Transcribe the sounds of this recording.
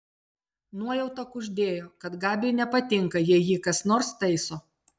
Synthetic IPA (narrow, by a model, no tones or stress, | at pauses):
nuɔjɛʊt̪oːkʊʒʲd̪ʲeːjoːkɐt̪ɡɑːbʲɪnʲɛpɐt̪ʲɪŋkɐjiɛjiːkɐsnoːɾst̪ɐɪsoː